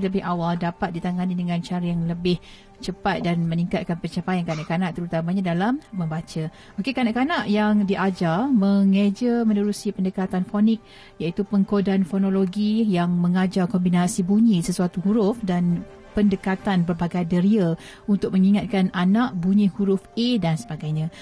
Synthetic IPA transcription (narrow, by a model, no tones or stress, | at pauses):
ləbɪhawaldapat̪̚dit̪aŋanidəŋãnt͡ʃaɾajaŋləbɪh | t͡ʃəpat̪̚danmə̃niŋkat̪̚kanpət͡ʃapajankanaʔkanaʔt̪əɾut̪amaɲadalamːə̃mbat͡ʃə | okekanaʔkanaʔjaŋdiʔad͡ʒarməŋəd͡ʒəmə̃nəɾusipəndəkat̪anfonɪk̚ | jait̪upəŋkodanfonoloɡijaŋməŋad͡ʒarkombinasibuɲisəsuat̪uɦuɾʊfdan | pəndəkat̪anbərbaɡajdəɾiə | unt̪ʊk̚məŋiŋat̪̚kananãʔbuɲĩhuɾʊfedansəbaɡajɲã